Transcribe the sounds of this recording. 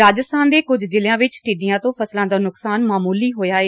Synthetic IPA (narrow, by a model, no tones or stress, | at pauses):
aːd͡ʒəst̪ʰaːnd̪eːkʊd͡ʒd͡ʒɪljãːʋɪt͡ʃʈiːɖɪjãːt̪õːpʰəslãːd̪aːnʊksaːnmaːmuːliːɦoːjaːeː